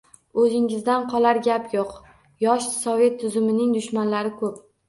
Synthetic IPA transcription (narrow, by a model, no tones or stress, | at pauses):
ɵzɪŋɪzd̪anqʰɒlˠaɾɡʲapjoq | jɒʃsɒve̞t̪ʰːʊzʊmɪnɪŋd̪ʊʃmanlaɾɪkʰɵp̚